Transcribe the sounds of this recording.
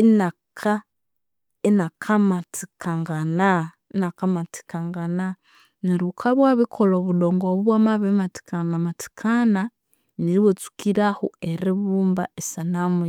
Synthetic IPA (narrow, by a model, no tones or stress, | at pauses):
inakʰa | enakʰamati̥kʰaŋɡana | inakamati̥kaŋɡana | niɾukʰaβwaβikʰoloβudoːŋɡoβuβwamaβemati̥kanamati̥kʰana | niɾiwet͡su̥kiɾahueɾiβuːmba̰esanamu